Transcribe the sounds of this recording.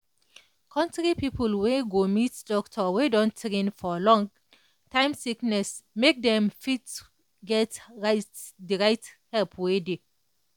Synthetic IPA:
kʰɔ̃ntɹipipʰəlweɡomitdɔktʰɔwedɔ̃ntɹẽnfɔlɔ̃ŋ | tʰãj̃msiknɛsmek̚dɛ̃mfit | ɡɛtɹatdiɹajthɛlpʰwedi

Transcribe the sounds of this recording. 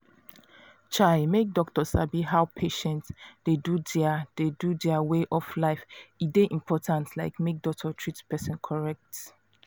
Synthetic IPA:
t͡ʃaɪmek̚dɔk̚tɔsabiɦawpʰeʃɛ̃ntsdedudad̥edudɛaweʔɔflaɪfideʔĩmpʰɔtʰãntlaɪkmek̚dɔk̚tʰɔtʰɹitpɛsĩnkʰɔɹɛk̚t

